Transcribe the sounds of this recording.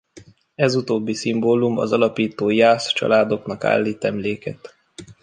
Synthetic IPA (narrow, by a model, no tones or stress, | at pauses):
ɛzut̪oːbːisimboːlumɒ̰zɒlɒpiːt̪oːjaːst͡ʃɒ̰laːd̪o̞knɒka̰ːlːiːt̪ɛmleːkɛt̪